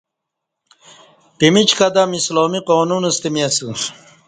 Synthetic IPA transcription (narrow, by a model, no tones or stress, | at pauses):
pimit͡ɕkɐd̪amisloːmiqoːnunɐst̪imiɐsu